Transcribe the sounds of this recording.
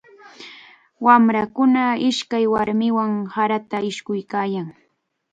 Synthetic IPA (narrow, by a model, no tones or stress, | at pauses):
wamɾakʊnaɪʃkajwaɾmɪwaŋhaɾat̪aɪʃkʊjkaːjaŋ